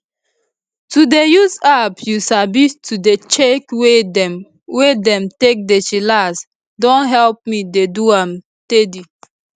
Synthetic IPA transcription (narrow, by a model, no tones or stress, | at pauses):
tudejuzapjusabistʰudet͡ʃekwe | wedɛ̃mtek̚det͡ʃilas | dɔ̃nɦɛlp̚mideduãm | tedi